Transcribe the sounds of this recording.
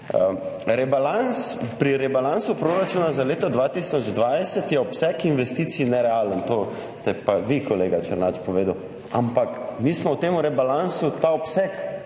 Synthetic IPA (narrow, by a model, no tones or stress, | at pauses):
əɾɛbalans | pɾiɾɛbalansupɾoːɾat͡ʃuːnazaleːt̪ɔd̪ʋat̪isɔd͡ʒd̪ʋajsət̪jɛɔpsɛkinʋɛst̪iːt̪sinɛɾɛaːlənt̪oː | st̪ɛpaʋikɔleːɡat͡ʃəɾnat͡ʃpɔʋeːd̪əw | a̰mpakmismɔwt̪eːmuɾɛbalansut̪aɔpsɛk